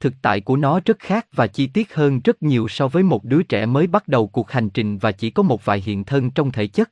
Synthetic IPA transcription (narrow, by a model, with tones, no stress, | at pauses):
t̪ʰɨ˨˩k̚t̪a̰ː˧˨jku˧˩ənɔ˨˦zə˦˥t̚xaː˦˥k̚vaː˨˩t͡ɕi˧t̪i˦˥ət̚həː˧nzə˦˥t̚ɲi˨˩əwsɔ˧vəː˨˦jmo˨˩t̚ɗɨ˨˦ət͡ɕɛ̰˧˩məː˨˦jɓa˦˥t̚ɗə˨˩wku˨˩ək̚ha˨˩jŋ̟t͡ɕï˨˩ŋ̟vaː˨˩t͡ɕi˧˩kɔ˨˦mo˨˩t̚va̰ː˧˨jɦḭ˧˨ənt̪ʰə˧nt͡ɕɔ˧wŋ͡mt̪ʰe˧˩t͡ɕə˦˥t̚